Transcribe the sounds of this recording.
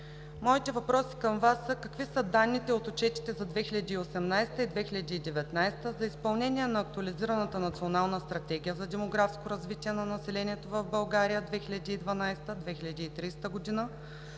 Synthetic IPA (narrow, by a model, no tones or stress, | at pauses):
mɔit̪ɛvɐpɾɔsi̥kəmvasːəkɐkvisəd̪anːit̪ɛot̪ut͡ʃɛt̪i̥t̪ɛzɐd̪vɛxilʲɐd̪iːosɛmnajst̪əid̪vɛxilʲɐd̪iːd̪ɛvɛt̪najst̪əzɐispɐlˠnɛnʲiɛnɐːk̚t̪ʊɐliziɾɐnət̪ənɐt̪sionalˠnəst̪ɾɐt̪ɛɡʲijəzɐd̪ɛmoɡɾafskoɾɐzvit̪iɛnɐnɐsɛlɛniɛt̪ovɐvbɐlˠɡaɾijəd̪vɛxilʲɐd̪iːd̪vɐnajst̪əd̪vɛxilʲɐd̪iːt̪ɾist̪əɡod̪inə